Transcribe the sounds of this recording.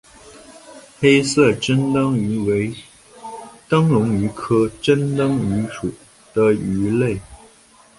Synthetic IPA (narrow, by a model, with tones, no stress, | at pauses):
xe˥ɪsɤ˥˩ʈ͡ʂə˥nt̪ɑ˥ŋy˧˥we˧˥ɪ | t̪ɑ˥ŋlʊ˧˥ŋy˧˥kʰɤ˥ʈ͡ʂə˥nt̪ɑ˥ŋy˧˥ʂu˨˩ | d̪̥ə˦y˧˥le˥˩ɪ